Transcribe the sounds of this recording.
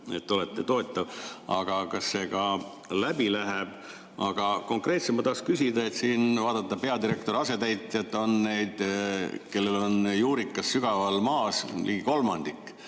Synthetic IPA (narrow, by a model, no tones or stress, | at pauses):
e̞t̪ːo̞let̪ˑːet̪o̞et̪ːˑɑvɑ̰ɡ̥ɑkɑsːe̞ːkɑ | læbilæɦeb̥ | ʔɑɡ̥ɑko̞ŋkre̞ːt̪semɑt̪ɑhkskysid̪ɑe̞t̪siːnvɑːd̪ɑt̪ːɑpe̞ɑd̪iɾe̞k̚t̪o̞ɾɑset̪æjt̪ːˑjɑt̪ːˑo̞nːe̞jd̪̥ke̞lːe̞lo̞njuːɾikːˑɑsːyɡ̥ɑvɑlmɑːsliːɡiko̞lmɑnd̪̥ikˑː